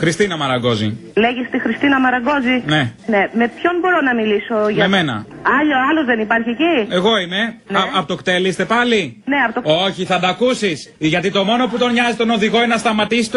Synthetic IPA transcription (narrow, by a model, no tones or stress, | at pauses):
xɾist̪inɐmɐɾɐɡo̞zḭleʝist̪ixɾist̪inɐmɐɾɐɡo̞zineneme̞pço̞nbo̞ɾonɐmilisoʝɐɐeme̞nɐ̰ | ɐʎoɐlozðenipɐɾçiecie̞ɣo̞ime̞ɐpot̪okt̪elist̪e̞pɐline̞ɐpot̪ooçiθɐnd̪ɐkusisʝɐt̪it̪o̞mo̞no̞put̪o̞nɲɐzist̪o̞no̞ðiɣo̞innɐst̪ɐmɐt̪isi̥t̪